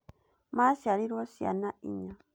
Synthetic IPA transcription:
masiaɾiɾosia̰naʔḭɲa

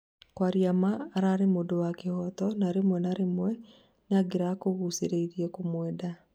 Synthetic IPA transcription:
kwaɾjamaːɾaɾemodowakehɔtɔnaɾemwɛnaɾemwɛ | neaɡeɾakoɣuseɾeiɾiɛkomwɛːda

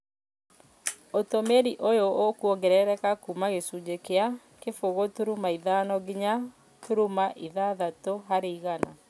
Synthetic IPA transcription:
otomeɾiʔojookuɔɡɛɾɛɾɛkakumaɣesud͡ʒekea | kefoɣotuɾumaiðanɔɡiɲa | tuɾumaʔiðaðatoɦaɾeiɣana

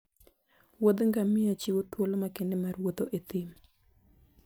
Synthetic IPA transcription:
wod̪ŋɡamɪat͡ʃiwot̪wolomakɪndemaɾwot̪oʔet̪im

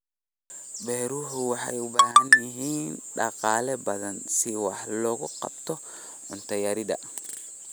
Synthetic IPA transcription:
bɛːɾuhʊwɑħa̰jʊbahɐnɪɦiːnnɗɑqaːlɛbɐðɐnsiwɑħlɔːɣʊqɑ̰bt̪ɔ | ʊnt̪ɐjɐɾidɐ̰

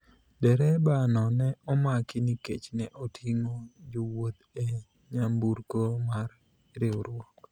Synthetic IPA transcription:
dɛɾɛbanɔnɛɔmakɪniket͡ʃnɛʔotʰiŋod͡ʒowot̪e | ɲambuɾkomar | ɾɪoɾwɔk

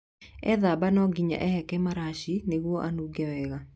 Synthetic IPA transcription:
ɛ̰ðabanɔɡiɲa̰ʔɛhɛkɛmaɾaʃineɣwɔʔanuɡɛwɛɣa

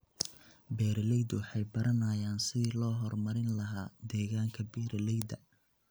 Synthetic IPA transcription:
bɛːɾɐlɛjd̪wɑħɑjbɐɾɐnɐjaːnsɪðiːlɔːɦɔrmɐɾɪnlɐɦaːd̪ɛːɣaːŋkʰɐbɛːɾɐlɛjd̪ɐ

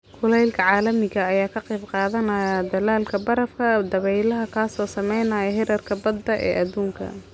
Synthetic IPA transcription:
kʰʊlɛjlkʰɐʕɑːlɐmɪɣɐːjaːkʰɐqɛːbqɑːðɐnɐjɐd̪ɐlaːlkʰɐbɐɾɐfkʰɐd̪ɐβɛjlɐɦɐkʰaːsɔːsɐmɛjnɐjɐɦɛɾɐrkʰɐbɐd̪ːɐʔɛ̰ːʔɐd̪uːŋkʰɐ̰

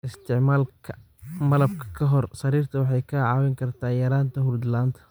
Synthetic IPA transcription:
ʔɪst̪ʰɪʕmaːlkʰɐ | mɐlɐb̚kʰɐ̥kʰɐɦɔrsɐɾiːrt̪ʰɐwɑħɑjkʰɐʕɑːwɛŋkʰɐrt̪ʰaːjɐɾaːnt̪ʰɐɦʊrd̪laːnt̪ʰɐ̥

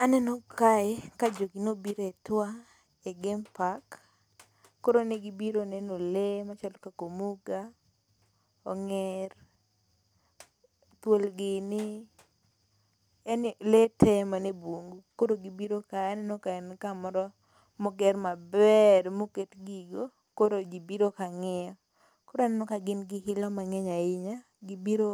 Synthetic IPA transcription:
anɛnɔkaɛkad͡ʒoɡinobiɾetwa | eɡempakː | oɾoneɡibiɾonɛnolemat͡ʃalkakomuɡa | ɔŋɛr | t̪wolɡɪnɪ | ɛnletɛmaneboŋɡukoɾoɡibiɾokaɛnɪnɔkaɛnkamɔɾɔ | moɡɛrmabɛrmoketɡiɡo | koɾoɡibiɾokaŋɛɔ | koɾoɛnɪnɔkaɡɪnɡɪkɪlɔmaŋɛɲaɪɲa | ɡibiɾo

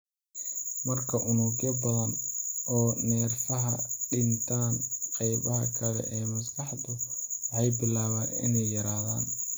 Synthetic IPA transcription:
mɐrkʰɐʔʊnuːɡjɐbɐðɐnɔːnɛːrfɐɦɐɖɪnt̪ʰaːnqɑjβɐɦɐkʰɐlɛ̰ʔɛːmɐsɡɑħd̪ʊwɑħɑjbɪlaːβaːnɪ̰nɛjːɐɾaːða̰ːn

